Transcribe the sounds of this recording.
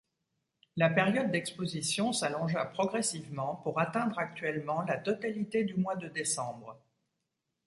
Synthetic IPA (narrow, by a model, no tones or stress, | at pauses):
lapeʁjɔd̪̚ːɛkspozisjɔ̃salɔ̃ʒapχɔɡʁɛsivmɑ̃puʁat̪ɛ̃d̪ʁak̚t̪ɥɛlmɑ̃lat̪ɔt̪alit̪ed̪ymwad̪əd̪esɑ̃bʁ